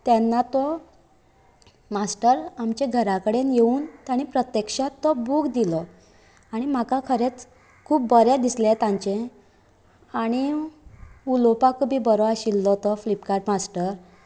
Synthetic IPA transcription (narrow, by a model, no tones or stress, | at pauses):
t̪ɛnːat̪ɔ | masʈəɾamt͡ɕeɡʱəɾakəɽenjeuːnt̪jaɽ̃ipɾət̪jekʂat̪ːɔbuːkd̪ilɔ | aɽ̃im̤akakʰəɾet͡s | kʰuːb̚bəɾed̪islet̪ãɲt͡ɕẽ | aɽ̃i | ulopakʰubiːbəɾoaɕilːɔt̪ɔflipkaɾʈmasʈəɾ